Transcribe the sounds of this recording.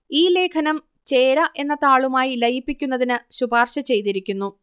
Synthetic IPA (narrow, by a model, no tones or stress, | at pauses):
iːle̞ːkʰɐnɐm | t͡ɕe̞ːɾɐʔe̞nːɐt̪ːaːɭumaːjilɐjipːikʲːunːɐðinɨɕubaːrɕɐt͡ɕe̞jt̪iɾikʲːunːu